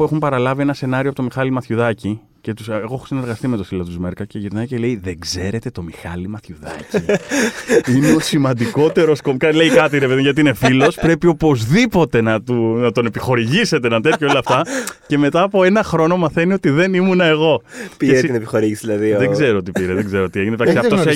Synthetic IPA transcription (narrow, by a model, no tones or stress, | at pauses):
pue̞xumpɐɾɐlɐvie̞nɐse̞nɐɾioɐpot̪o̞mixɐlimɐθçuðɐci | ce̞t̪useɣo̞exosine̞ɾɣɐst̪imet̪ofilot̪uzmeɾkɐce̞ʝiɾnɐjcele̞jðeɡze̞ɾe̞t̪e̞t̪omixɐ̰limɐθçuðɐ̰ci | ineosimɐnd̪iko̞t̪e̞ɾo̞skomkɐle̞jkɐt̪iɾepeðoʝɐt̪̬iine̞filo̞spɾe̞pio̞po̞zðipo̞t̪e̞nɐt̪unɐt̪o̞ne̞pixo̞ɾiʝise̞t̪eenɐnt̪e̞t̪çoolɐft̪ɐce̞me̞t̪ɐːpo̞e̞nɐxɾo̞no̞mɐθe̞nio̞t̪iðe̞nimunɐe̞ɣo̞ieɾest̪inepixoɾiʝisiðilɐðiðeɡzze̞ɾoot̪̬ipiɾeðeɡze̞ɾoot̪ie̞ʝinept̪aksiɐft̪oss